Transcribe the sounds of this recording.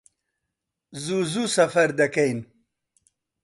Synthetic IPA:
zuzusɐfɐɾd̪ɐkejn

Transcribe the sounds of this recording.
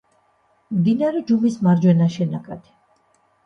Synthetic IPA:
md̪inaɾɛd͡ʒumismaɾd͡ʒwɛnaʃɛnakʼad̪ʰi̥

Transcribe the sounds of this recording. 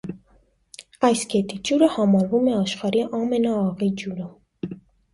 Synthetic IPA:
ɑjskɛt̪id͡ʒuɾəhɑmɑɾvumɛɑʃχɑɾiʔɑmɛnɑːʁid͡ʒuɾə

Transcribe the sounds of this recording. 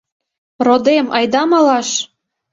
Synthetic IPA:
rod̪emɑjd̪ɑmɑlɑʃ

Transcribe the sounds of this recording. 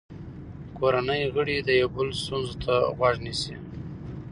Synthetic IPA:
koɾanəjɣəɽid̪əjawbəlost̪unzot̪ʰaɣwaʐnisi

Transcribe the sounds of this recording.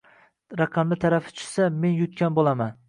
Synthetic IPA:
ɾɑqʰɑmlɪt̪ʰaɾafɪ̥t͡ʃʰʊ̥same̞njʊt̪̚kʲanbolˠaman

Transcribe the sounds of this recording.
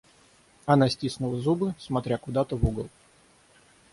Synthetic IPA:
ɐnasʲtʲisnʊlˠəzubɨsmɐt̪ɾʲakʊd̪at̪əvuɡəlˠ

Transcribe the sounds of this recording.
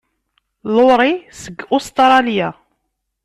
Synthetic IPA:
lʊɾˤisəɡːʊst̪ɾˤɑlja

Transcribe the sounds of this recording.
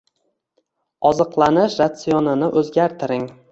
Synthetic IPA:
ɒzɨqlˠanɪʃɾat̪sijɒnɪnɪʔɵzɡʲaɾt̪ʰɪɾɪŋ

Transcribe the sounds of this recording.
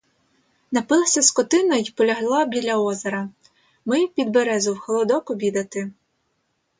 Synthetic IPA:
nɐpɪlˠɐsʲɐskɔt̪ɪnɔjipɔlʲɐɦlˠɑbʲilʲɐɔzɐɾɐ | mɪpʲid̪beɾɛzʊwxɔlˠɔd̪ɔkʊbʲid̪ɐt̪ɪ

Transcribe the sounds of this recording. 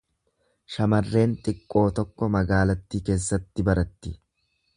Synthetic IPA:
ʃɐmɐrːe̞ːnt̪ʼɪkʼːo̞ːt̪ɔkːɔmɐɡaːlɐt̪ːiːke̞ːsːɐt̪ːɪbɐɾɐt̪ːɪ

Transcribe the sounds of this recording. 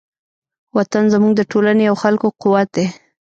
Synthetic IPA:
wat̪anzəmuŋɡd̪əʈolanejawxalkoqʊwat̪̚d̪e

